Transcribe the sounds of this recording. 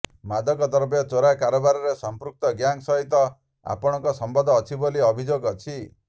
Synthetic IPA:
mad̪ʱɔkɔt̪ɔɾbjɔt͡ʃoɾakaɾɔbaɾɔɾesɔmpɾuk̚t̪ɔɡjaŋsɔɦit̪ɔ | a̰pɔɽ̃ɔ̃ŋkɔsɔmbɔd̪ʱɔːt͡ʃʰiboliɔbʱid͡ʒoɡɔt͡ʃʰi

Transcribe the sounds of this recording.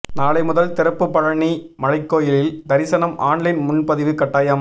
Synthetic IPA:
naːɭɐɪmʊðɐlt̪ɪɾɐpːɯpːɐɻɐɳi | mɐɻɐɪkːoːjɪlɪld̪ɐɾɪsɐnɐmaːɳlɪnmʊnpɐðɪʋɯkɐʈːaːjaːm

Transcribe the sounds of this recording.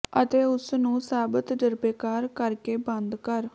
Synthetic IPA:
ət̪eːʊsnũːsaːbət̪d͡ʒəɾbeːkaːɾkəɾkeːbə̃nd̪kəɾ

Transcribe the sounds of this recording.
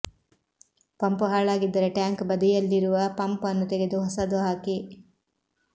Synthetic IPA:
pɐmpuɦaːɭaːɡid̪ːɐɾɐʈjaːŋkbɐd̪ijɐlːiɾuʋɐpɐmpɐnːut̪eɡed̪uɦɐsad̪uɦaːki

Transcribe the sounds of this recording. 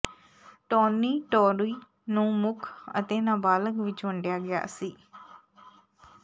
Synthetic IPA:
ʈoːnːiːʈoːɾiː | nũːmʊkʰə̰t̪eːnəbaːləkʋɪt͡ʃməɳɖjaːɡɪja̰ːsiː

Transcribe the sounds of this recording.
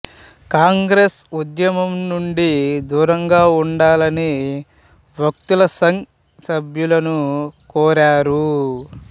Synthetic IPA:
kaːŋɡɾesud̪jɐmɐmnuɳɖid̪uːɾɐŋɡaːuɳɖaːlɐni | ʋɐk̚t̪ulɐsɐŋ | sɐbʱjulɐnukɔːɾaːɾu

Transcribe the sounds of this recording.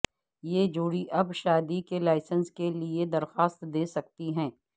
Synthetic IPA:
jeːd͡ʒoːɽiʔɐbʃaːd̪ikelaːɪsənskelied̪ɐɾxaːst̪d̪eːsɐk̚t̪iɦɛ̃ː

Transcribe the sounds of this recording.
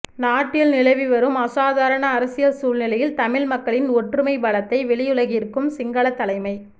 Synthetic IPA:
naːʈːɪlnɪlɐɪʋiʋɐɾɯmɐsaːðaːɾɐɳɐːɾɐsɪjɐsuːlnɪlɐjɪlt̪ɐmɪɭmɐkːɐɭɪnɔʈrɯmɐɪbɐɭɐt̪ːɐɪʋɛɭɪjɯɭɐɣɪɪɾɯkːɯmsɪŋɡɐɭɐt̪ːɐlɐɪmɐɪ

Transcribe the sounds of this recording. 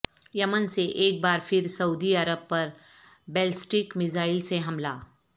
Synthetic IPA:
jɐmənseʔeːk̚baːɾfʰɪɾsɐuːd̪iɐɾəb̚pɐɾ | bɛːlsʈɪkmɪzaːɪlseɦɐmlaː

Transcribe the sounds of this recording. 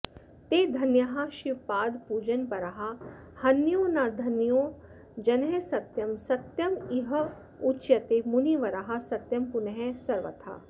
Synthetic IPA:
t̪eːd̪ʱɐnjɐɦaʃipaːd̪puːd͡ʒɐnpɐɾaɦa | hɐnːjoːnaːd̪ʱɐnjoː | d͡ʒɐnɦesɐt̪jɐmsɐt̪jɐmiɦɐ | ut͡ʃjɐt̪emuniʋɐɾaɦasɐt̪jɐmpunɐɦɛsɐɾʋɐ̰t̪ʰa̰ː

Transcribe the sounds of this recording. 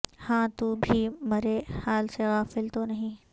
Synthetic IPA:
hãːt̪uːbʱimɐɾehaːlseɣaːfɪlt̪onɐɦĩː

